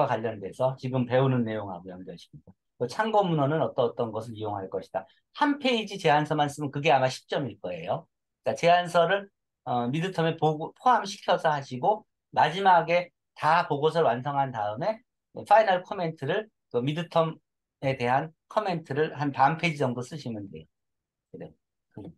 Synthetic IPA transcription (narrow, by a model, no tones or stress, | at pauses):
wakwaʎːʌnde̞sʰʌt͡ɕiɡɯmpe̞unɯnːe̞joŋɦa̰ɡojʌŋɡjʌɕʰi̥kida | kɯt͡ɕʰaŋɡʌmunʌnɯnʌt͈ʌt͈ʌnɡʌs̬ʰɯɾijoŋɦaɭk͈ʌɕʰi̥d̥a | hʰanpʰe̞id͡ʑit͡ɕe̞ɦansʰʌmans͈ɯmɯnkɯɡe̞amaɕʰi̥p̚t͡ɕ͈ʌmiɭk͈ʌe̞̰jo | k͈at͡ɕe̞ɦansʰʌɾɯɭ | ʌmidɯtʰʌme̞popʰoɦamɕʰi̥kʰjʌsʰʌhaɕʰiɡo | mad͡ʑimaɡe̞ | tapoɡosʰʌɭwansʰʌŋɦantaɯme̞ | fʰainaɭkʰʌme̞ntʰɯɾɯɭ | kɯmidɯtʰʌm | e̞te̞ɦan | kʰʌme̞ntʰɯɾɯɭhanpampʰeid͡ʑid͡ʑʌŋdos͈ɯɕʰimɯndḛjo | ne | kɯ